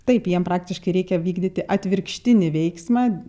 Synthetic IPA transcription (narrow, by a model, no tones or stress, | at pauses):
t̪ɐɪpjiɛmpɾɑːk̚t̪ʲɪʃkɐɪɾʲɛɪkʲɛʋʲiːɡd̪ʲɪt̪ʲɪʔɐt̪ʲʋʲɪɾkʃʲt̪ʲɪnʲɪʋʲɛɪksmɑː